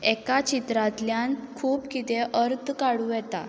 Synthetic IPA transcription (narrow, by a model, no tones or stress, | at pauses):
ɛkat͡ɕit̪ɾãt̪ljankʰuːpkit̪eʔəɾt̪kaɽuːjɛt̪a̰